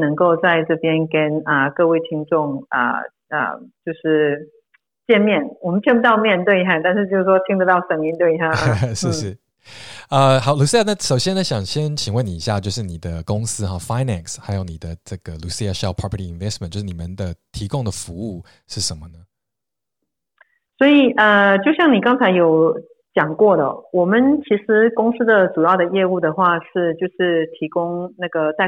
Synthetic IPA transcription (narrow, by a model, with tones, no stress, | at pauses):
nɤ˧˥ŋko˥˧ʊt͡sa˥˧ɪʈ͡ʂɤ˥˩pjɛ˥nkə˥nə˧kɤ˥˧we˥˩ɪt͡ɕʰi˧˥ŋʈ͡ʂʊ˥˩ŋə̰˩ | ə̰˩t͡ɕjo˥˧ʊʂɻ̩˥˩ | t͡ɕjɛ˥˧nmjɛ˥˩nwɔ˨˩mə̃˦npʰjɛ˥˧npu˥˩t̪ɑ˥˧ʊmjɛ˥˧nt̪we˥˧ɪa˥˧˩t̪a˥˧nʂɻ̩˥˧t͡ɕjo˥˧ʊʂ̩˥˩ʂwɔ˥t̪ʰi˥ŋd̪ə˧t̪ɑ˥˩ʊʂə˨˥˩ŋmi˧˥nt̪we˥˩ɪ˧a˥˩ʂɻ̩˥˧ʂɻ̩˥˩ | ə˧xɑ˨˦ʊlu˨˩si˥ja˧˩nə˥˩ʂo˨˩ʊɕjɛ˥nə˧ɕjɑ˨˩ŋɕjɛ˥nt͡ɕʰi˨˩ŋwə˥˩ni˨˩˨i˨˧ɕja˥˧t͡ɕjo˥˧ʊʂ̬ɻ̩˥˩ni˨˩d̪ə˦kʊ˥ŋsɹ̩˥xɑ˨˩fa˥ɪnæ˨nsxa˧˥ɪjo˧˥ʊni˨˩d̪ə˦ʈ͡ʂɤ˥˩ɡ̥ə˩lu˨˩si˥˧a˨ʂɛ˥˩lpʰɹɑ˥pʰə˨tʰi˨i˨nvɛ˥stmə˨nt͡ɕjo˥˧ʂ̩˥˩ni˨˩mə˨˦nd̪ə˧t̪ʰi˧˥kʊ˥ŋd̪ə˩˨fu˧˥u˥˩ | ʂɻ̩˥˩ʂə˧˦nmə˧nə˩ | swɔ˧˥i˨˩ʔə˧t͡ɕjo˥˧ʊɕjɑ˥˩ŋni˨˩kɑ˥ŋt͡sʰa˧˥ɪjo˨˧˥ʊ | t͡ɕjɑ˨˩ŋkwɔ˥˩d̪ə̰˩wɔ˨˩mə˦nt͡ɕʰi˧˥ʂɻ̩˧˥kʊ˥ŋs̩˥d̪ə˨ʈ͡ʂu˨˩jɑ˥˩ʊd̪ə˩jɛ˥˧u˥˩d̪ə˩xwa˥˧ʂɻ̩˥˧t͡ɕjo˥˧ʊʂɻ̩˥˩t̪ʰi˧˥kʊ˥ŋna˥˩ɡə˩t͡sa˥˩ɪ